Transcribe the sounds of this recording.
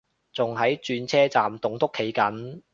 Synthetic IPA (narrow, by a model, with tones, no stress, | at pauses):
t͡sʊ˨ŋɦɐ˨˥jt͡ʃyː˧nt͡sʰɛː˥t͡saː˨mt̪ʊ˨ŋt̪ʊ˥kʰːe˨˥jkɐ˨˥n